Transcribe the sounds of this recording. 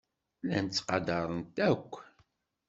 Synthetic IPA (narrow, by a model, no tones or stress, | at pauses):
læ̰nt͡sːqɑd̪ɑɾˤənt̪ækʷː